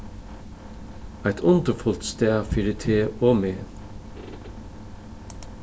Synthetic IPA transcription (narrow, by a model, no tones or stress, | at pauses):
æɪt̪ʰʊnt̪əfʊlt̪st̪æːfiːɾɪt̪ʰeːoːmeː